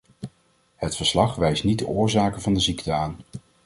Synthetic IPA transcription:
hətfəɹslɑχʋɛjstnid̚dəʔʊːɹzaːkənvɑndəziktəaːn

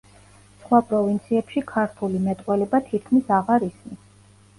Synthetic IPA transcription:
sχwapʼɾɔvint̪sʰiɛpʃikʰaɾt̪ʰulimɛt̪ʼwɛlɛbat̪ʰit̪̚ʰkʰmisaʁaɾisni

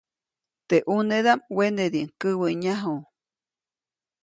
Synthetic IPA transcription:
t̪eʔuned̪amwened̪iŋkəβəɲaɦu

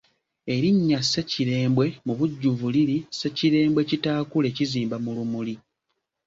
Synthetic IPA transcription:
e̞ɾiɲːase̞ciɾe̞ːmbwe̞muβuɟːuvuliɾise̞ciɾe̞ːmbwe̞citaːkule̞ciziːmbamulumuli

